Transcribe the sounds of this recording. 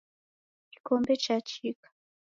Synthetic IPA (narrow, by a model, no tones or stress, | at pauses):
ikombet͡ʃat͡ʃik